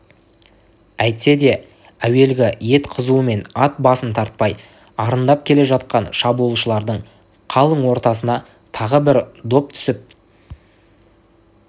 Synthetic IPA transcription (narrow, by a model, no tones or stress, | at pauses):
æjt̪se̞d̪e̞ | æwe̞lɡʲɪje̞t̪qʰəzuəme̞nɑt̪̚bɑsənt̪ʰɑɾt̪̚pɑj | ɑɾənd̪ɑp̚kʲʰe̞le̞ʒɑt̪̚qɑnʃɑbuəlˠʃəlˠɑɾd̪əɴ | qʰɑlˠəɴwo̞ɾt̪ɑs̬ənɑ | t̪ʰɑʁəbɪɾd̪o̞p̚t̪ʰʏ̥sɪp̚